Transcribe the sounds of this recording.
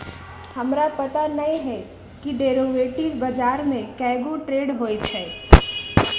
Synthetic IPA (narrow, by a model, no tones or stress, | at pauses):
hɐmɾapɐt̪anɐĩɦɛ | kiɖeːɾoʋeːʈilbɐd͡ʒaːɾmẽkɛːɡoʈɾeːɖɦoːet͡ʃʰɛː